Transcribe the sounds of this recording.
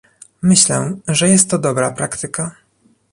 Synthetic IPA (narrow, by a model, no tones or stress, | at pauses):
mɘɕlɛʐɛjɛst̪ːɔd̪ɔbɾapɾakt̪ɘka